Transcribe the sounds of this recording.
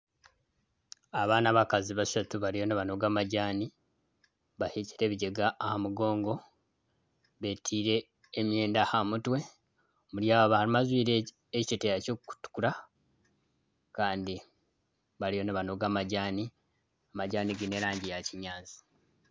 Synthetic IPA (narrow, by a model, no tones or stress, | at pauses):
aβaːnaβakaziβasatuβaɾijo̞naβano̞ɡaːmaɟaːni | βahici̥ɾe̞βiɟeɡaːhamuɡo̞ːŋɡo̞ | βeːtʰiːɾe̞ː | mje̞ːndahamutwe̞ | muɾjaːwaβahalimazwiːɾe | eccetejaco̞ːkkːu̥tu̥kuɾa | kaːndi | βaɾijonaβano̞ɡaːmaɟaːni | amaɟaːniɡine̞ɾaːɲɟijaciɲaːnzi̥